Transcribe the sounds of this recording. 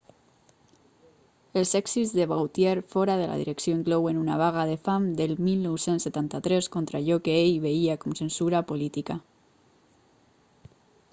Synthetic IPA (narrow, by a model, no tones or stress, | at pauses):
elˠsɛksizðeβawt̪jeɾfɔɾaðela̰ðḭɾeksjoiŋklɔwenunaβ̞aɣ̞aðefamd̪elmilnowsensːet̪ant̪at̪ɾɛskont̪ɾaʎɔkeejβeiakomsensuɾapolit̪ika